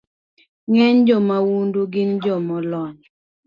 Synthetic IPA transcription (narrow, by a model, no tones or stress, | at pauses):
ŋɛɲd͡ʒɔmawunduɡɪnd͡ʒɔmɔlɔɲ